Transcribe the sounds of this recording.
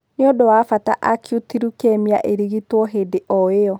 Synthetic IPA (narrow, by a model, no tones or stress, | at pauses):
neodowafata̰ʔakjutiɾukɛmia̰ʔeɾiɣitwɔɦedeʔɔeɔ